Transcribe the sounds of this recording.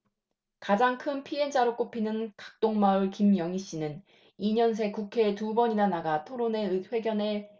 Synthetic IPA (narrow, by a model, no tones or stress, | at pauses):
kad͡ʑaŋkʰɯnpʰiend͡ʑaɾok͈opʰinɯnkḁk̚t͈oŋmauɭkimjʌŋiɕ͈inɯn | iɲʌns̬ʰe̞kukʰe̞ːtubʌɲinanaɡatʰoɾone̞ɯɸwe̞ɡjʌne̞